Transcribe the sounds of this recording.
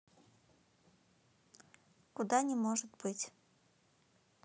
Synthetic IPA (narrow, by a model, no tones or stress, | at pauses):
kud̪anʲɛmɔʐɨt̪ʲbɨt͡sʲ